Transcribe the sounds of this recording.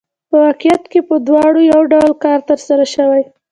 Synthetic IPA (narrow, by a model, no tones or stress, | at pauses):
pəwɑqijat̪kepəd̪wɑɽojawɖawlkɑɾt̪əɾsaɾaʃəwaj